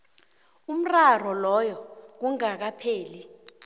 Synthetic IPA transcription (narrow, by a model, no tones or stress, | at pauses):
um̩rar̤ɔlɔjɔk̬uŋak̬apʰeːli